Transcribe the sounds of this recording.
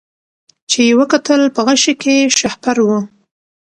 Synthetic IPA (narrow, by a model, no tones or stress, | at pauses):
t͡ʃejewəkat̪əlpəɣaʃikeʃahpaɾwu